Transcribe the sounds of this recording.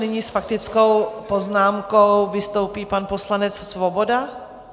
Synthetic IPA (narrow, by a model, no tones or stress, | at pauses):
nɪɲisfak̚t̪ɪt͡sko̞wpoznaːmkowvɪst̪o̞wpiːpanpo̞slanɛt͡ssvobo̞da